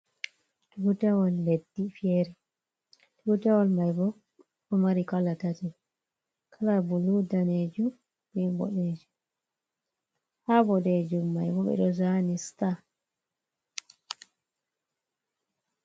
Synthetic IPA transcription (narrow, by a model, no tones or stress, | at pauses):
tubutawɔlːedːifieɾi | tubutawɔlmajbɔ | ɔmaɾikalːatati | kʰalabuludaned͡ʒu | bɛmbɔ̰ɗeːd͡ʒu | habɔɗed͡ʒumːajbɔɓɛ̰ɗɔzanista